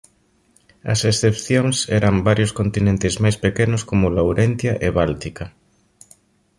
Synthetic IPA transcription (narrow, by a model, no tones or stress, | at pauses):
ɐ̰sesθepθjoŋsɛɾɐmbaɾjʊskont̪inẽnt̪ɪzmajspekenʊskomʊlawɾenθjɐʔeβalt̪ikɐ